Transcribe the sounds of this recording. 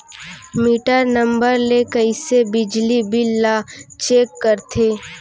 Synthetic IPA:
miːʈəɾnə̃mbəɾlekəɪsebɪd͡ʒlibʱɪlːat͡ʃeːkːəɾt̪ʰeː

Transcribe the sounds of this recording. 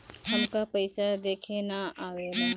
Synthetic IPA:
ɦɐmkapɐɪsad̪eːkʰenaaːɡeːlaː

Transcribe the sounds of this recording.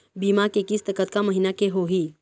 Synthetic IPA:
bimakekiːst̪əkət̪̚kaməɦinakeɦoɦi

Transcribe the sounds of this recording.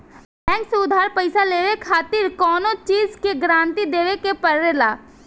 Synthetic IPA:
bɛ̃ːŋkseʊd̪ʱɦaːɾpəɪsaleːʋekʰaːt̪ɪɾkɔːnõt͡ʃiːzkeɡɾãːnt̪id̪eːʋekepɐɾːelaː

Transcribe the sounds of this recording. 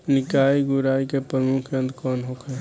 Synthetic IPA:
nɪkaiɡʊɾaːikepɾəmukʰjə̃nd̪kɔnɦokʰɛ

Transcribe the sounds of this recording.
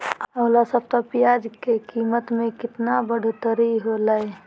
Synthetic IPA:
əʊlasəb̚t̪ɔpijad͡ʒkekiːmət̪mẽkɪt̪nabəɽ̤ut̪əɾiɦolae

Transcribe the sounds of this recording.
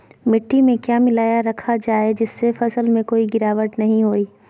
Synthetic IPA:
mɪʈːimẽkjaːmɪlaːjaɾɐkʰad͡ʒaːed͡ʒɪsːefɐsəlmẽkoːiɡɪɾaːʋəʈnɐɦĩɦoːiː

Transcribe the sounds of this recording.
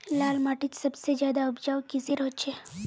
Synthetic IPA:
laːlmaːʈit͡ʃsəbsed͡ʒjaːd̪aəbd͡ʒaːʋkisiɾəɦot͡ʃʰe

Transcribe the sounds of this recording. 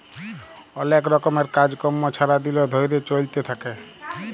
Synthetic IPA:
ɔlekɾɔkɔmeɾkad͡ʒkɔmːot͡ʃʰaɾad̪ilod̪ʱojɾet͡ʃolt̪et̪ʰake

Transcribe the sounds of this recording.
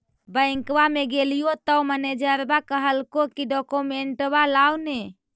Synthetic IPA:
bə̃ɪ̃ŋkwameɡelijot̪əwməned͡ʒəɾbakəɦəlkokiɖɔkomeɳʈbalawne

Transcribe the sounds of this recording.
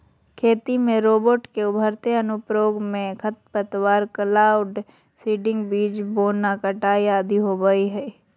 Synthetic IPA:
kʰeːt̪imẽɾoːboːʈkeʊbʱəɾt̪eɐnʊpɾoːɡmẽkʰɐt̪̚pət̪waːɾkəlaːʊɖ | siːɖɪ̃ŋɡbiːd͡ʒboːnːakəʈaːiaːd̪ʱiɦoːbəiɦɛː

